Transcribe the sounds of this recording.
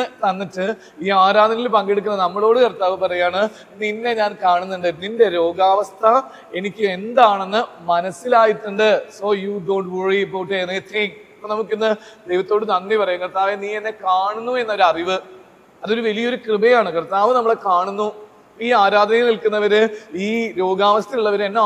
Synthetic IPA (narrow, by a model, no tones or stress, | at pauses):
ɨt̪ɐnːitːɨ | iːaːɾaːd̪ʱɐnilpɐŋɡiɽuk̬ːunːɐnɐmːɐɭo̞ːɽɨkɐrt̪aːʋɨpɐrɐjaːɳɨ | ninːe̞ɲaːnkaːɳunːuɳɖɨninde̞ɾo̞ːɡaːʋɐst̪ʰɐ | e̞nikʲːume̞nd̪aːɳe̞nːɨ | mɐnɐsːilaːjiʈːuɳɖɨso̞ːjuɖoːɳʈwoɻiboːʈːenet̪ʰiŋkɐpːɐnɐmukːinːɨd̪ejʋɐt̪ːo̞ːɽɨnɐnːipɐrɐjuŋkɐrt̪aːʋeniːenːe̞kaːɳunːue̞nːɐo̞ɾuɐriʋɨ | ɐðo̞ɾuʋɐlijɐo̞ɾukrɨbɐjaːɳɨkɐrt̪aːʋɨnɐmːɐɭekaːɳunːu | iːaːɾaːd̪ɐnɐjnilkunːɐʋɐɾɨiːɾo̞ːɡaːʋɐst̪ʰiuɭːɐʋɐɾenːe